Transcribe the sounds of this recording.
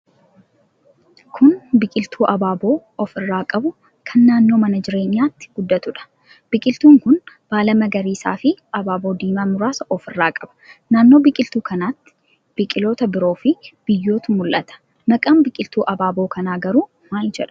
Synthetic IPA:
kʰʊnbɪkʼɪlt̪ʰuːʔɐbaːbo̞ː | ɔfɪrːaːkʼɐbʊ | kʰɐnːaːnːo̞ːmɐnɐd͡ʒɪɾe̞ːɲːaːt̪ːɪ̥ɡ̥ʊd̪ːɐt̪ʊᶑɐ̥ | b̥ɪkʼɪlt̪uːŋkʊn | b̥aːlɐmɐɡɐɾiːsa̰ːfɪɐbaːbo̞ːd̪iːmɐmʊɾaːsɔfɪrːaːkʼɐb̥ɐ̥naːnːo̞ːbɪkʼɪlt̪uːkɐnaːt̪ːɪ̥ | b̥ɪkʼɪloːt̪ɐbɪɾo̞ːfɪb̥ɪjːo̞ːt̪ʊmʊlʔɐt̪ɐ̥ | mɐkʼɐmbɪkʼɪlt̪uːʔɐbaːbo̞ːkɐnaːɡɐɾuː | maːld͡ʒɛᶑɐ̥

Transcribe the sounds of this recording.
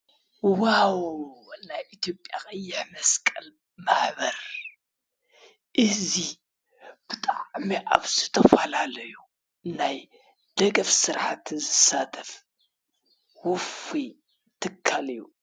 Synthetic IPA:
wawnajʔit̪ʰjo̞pʼːjaxʼɐjːɪħmɐskʼɐl | maħbɐɾ | ʔɨzi | b̥ɨt̪ʼaʕmiʔaβzɨt̪ʰɐfɐlalɐju | naj | d̪̥ɐɡɐfsɨɾħat̪zɨsat̪ʰɐf | wʊfi | t̪ʰɨkʰːalɨjːu

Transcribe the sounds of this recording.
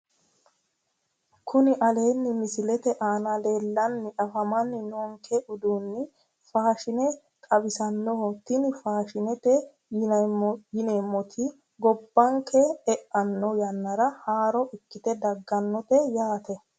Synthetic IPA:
kʰʊnɪʔɐle̞ːnːɪmɪsɪlɛt̪ɛʔaːnɐleːlːɐnːɪʔɐfɐmɐnːɪnoːŋkʰɛʔʊd̪uːnːɪ | faːʃɪnɛ | kʼɐbɪsɐnːɔhɔt̪ɪnɪfaːʃɪnɛt̪ɛ | jɪnɐɔjɪnemːɔt̪ʰi | ɡɔbːɐŋkʰɛɛʔɐnːɔjɐnːɐɾɐhaːɾɔʔɪkːɪt̪ɛd̪ɐɡːɐnːɔt̪ɛjaːt̪ɛ

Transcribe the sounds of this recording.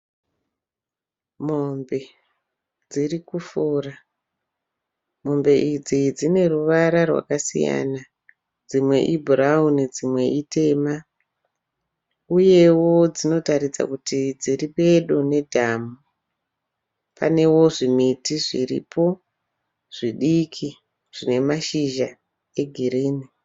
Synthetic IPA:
mombe̞ | d͡zirikufura | mo̞mbe̞ʔid͡zid͡zine̞ruʋaɾarwa̰kasḭja̰na | d͡zimwe̞̰ʔibʱuraunid͡zimwe̞ʔite̞ːma | uje̞wo̞d͡zino̞taɾid͡za̰kutid͡ziriɓe̞ɗone̞dʱamu | pa̰ne̞wo̞ʐimitiʐirḭpo̞ | ʐ̥iɗikʰi | ʐ̥ine̞maʃiʒa | e̞ɡʱiɾiːni

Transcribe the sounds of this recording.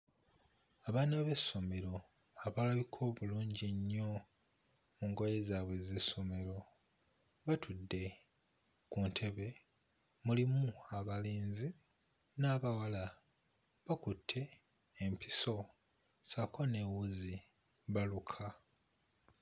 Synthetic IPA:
aβaːnaβe̞sːo̞me̞ɾo̞ | aβalaβikʰo̞ːβuluːɲɟiɲːo̞ | muŋɡojezaːβwe̞ze̞so̞me̞ɾo̞ | βatʰudːe̞ | kuntʰe̞βe̞ | mulimuaβaliːnzi | naːβawala | βakutʰːe̞ː | mpiso̞ | sakʰo̞ne̞ːwuzi | βalukʰa

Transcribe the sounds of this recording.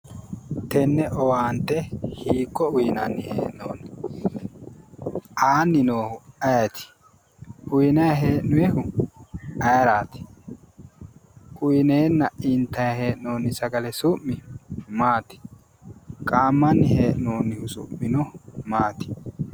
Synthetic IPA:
t̪ɛnːɛʔɔwaːnt̪ːɛhiːkːɔʊjɪnɐnːɪhḛːʔno̰ːn | ʔaːnːɪnoːhʊɐjɐt̪ɪ̥ | ʔʊjɪnɐjɐɦe̞ːʔnʊjɛhʊ | ɐjɾaːt̪ɪ̥ | ʔʊjɪneːnːɐʔɪnt̪ːɐjɐhe̞ːʔnoːnːɪsɐɡɐlɛsʊʔːɪmaːt̪ɪ̥ | kʼaːmːɐnːɪheːʔnoːnːɪhʊsʊ̰mːɪnɔmaːt̪ɪ̥

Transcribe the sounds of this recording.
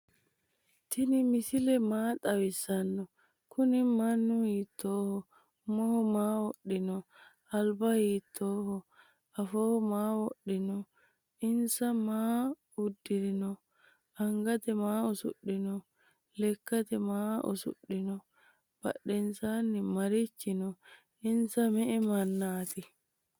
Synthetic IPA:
t̪ɪnɪmɪsɪlɛmaːt̪ʼɐwɪsːɐnːɔ | kʊnɪmɐnːʊhiːt̪ːoːhɔ | mɔhɔmaːwɔɗːɪnɔ | ɐlbɐhiːt̪ʰːoːhɔ | ɐfoːhɔmaːwɔɗːɪnɔ | ɪnsamaː | udːiɾinɔ | ʔaŋɡat̪ɛmaːɔsṵɗːinɔ | lɛkːat̪ɛmaːʔɔ̰sṵɗːinɔ | b̥a̰ɗːɛnsanːimaɾit͡ʃːinɔ | insamɛʔɛmanːaːt̪i

